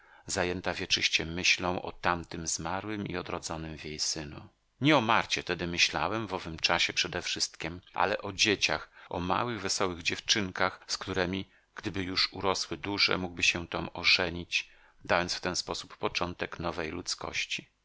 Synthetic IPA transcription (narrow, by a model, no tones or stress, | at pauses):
zajɛnt̪avʲjɛt͡ʂɘɕt͡ɕɛmɘɕlɔ̃w̃ʔɔ̰t̪amt̪ɘmzmaɾwɘmḭɔd̪ɾɔd̪zɔnɘmvʲjejsɘnṵ | ɲɛɔmaɾt͡ɕɛt̪ɛd̪ɘmɘɕla̰wɛmvɔvɘmt͡ʂaɕɛpʂɛd̪ɛfʂɘst̪kʲimʔa̰lɛʔɔd͡ʑet͡ɕa̰xɔma̰wɘɣvɛsɔwɘɣd͡ʑɛft͡ʂɘŋkaxskt̪uɾɛmʲi | ɡ̥d̪ɘbɘjuʂuɾɔswɘd̪uʐɛ̰muɡ̚bɘɕɛt̪ɔmɔʐɛɲit͡ɕ | d̪ajɔntsft̪ɛnspɔsupːɔt͡ʂɔnt̪ɛknɔvɛjlut̪skɔ̰ɕt͡ɕi̥